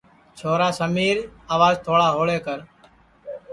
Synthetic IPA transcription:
t͡ʃʰoːɾaːsəmiːɾaːʋaːzt̪ʰoːɽaːɦoːɭeːkəɾ

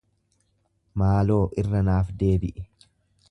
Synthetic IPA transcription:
maːlo̞ːʔɪrːɐnaːfd̪e̞ːbɪʔɪ

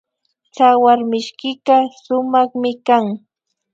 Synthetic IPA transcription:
t͡ʃawaɾmɪʃkɪɢasʊmɑχmɪkaŋ

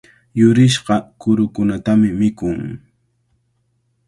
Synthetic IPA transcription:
jʊɾɪʃɢɑkʊɾʊkʊnat̪amɪmɪkʊŋ

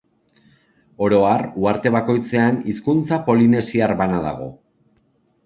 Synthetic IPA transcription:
o̞ɾo̞aruaɾt̪e̞β̞ako̞jt͡se̞aniskunt͡sapo̞line̞siaɾβanaða̰ɣ̞o̞̰

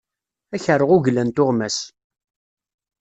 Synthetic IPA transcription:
æçəɾˤəʁʊʝlænt̪ʊʁmæs

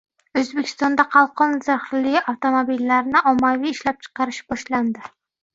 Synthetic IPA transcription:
øzbɪkʲʰi̥st̪ɑnd̪ɑqʰɑlˠqʰɔnzæχɾlɪɡʲɑft̪omobilːæɾnɪʔɑmːɑvijiʃlɛp̚t͡ʃʰə̥qɑɾɨʃb̥ɑʃlˠɑnd̪ɪ

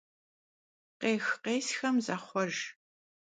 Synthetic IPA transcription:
qeːxqeːsxɐmzaːχʷɔʒ

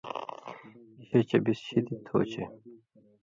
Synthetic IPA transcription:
ɕet͡ɕɐbisɕid̪it̪ʰo̰ːt͡ɕʰe

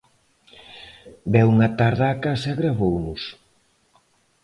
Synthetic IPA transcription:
bɛwuŋɐt̪aɾðaːkasɐɣɾaβownʊs

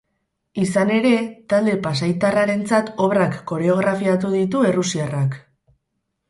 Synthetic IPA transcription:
isane̞ɾe̞t̪ald̪e̞pas̬ajt̪araɾe̞nt͡sat̪o̞βrakːo̞ɾe̞o̞ɣ̞ɾafiat̪uðit̪ue̞rusiarak

